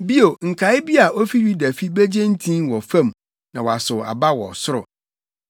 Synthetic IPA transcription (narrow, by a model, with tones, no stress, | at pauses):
bi˦o˨ŋ̩˨kʰa˨˦ɪ˦bi˦a˨ʔo˦fi˦ɥi˦dæ˨fi˦bæ˦d͡ʑẽ˦n˦tʰĩ˦wɔ˨fã˦˨m | nã˨wɔ˨a˨sʊ˨a̰˨ba˦wɔ̰˨sʊ˦ɾʊ̰˨